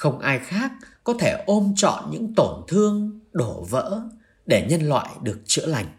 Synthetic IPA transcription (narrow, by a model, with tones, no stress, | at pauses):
xə˧wŋ͡mʔaː˧jxaː˦˥k̚ːɔ˨˦t̪ʰe˧˩ʔo˧mt͡ɕɔ̰˧˨nɲɨ̰˧˥ŋt̪o˧˩nt̪ʰɨ˧əŋɗo˧˩və̰ː˧˥ | ɗe˧˩ɲə˧nlwa̰ː˧˨jɗɨ˨˩ək̚t͡ɕɨ̰˧˥əla˨˩jŋ̟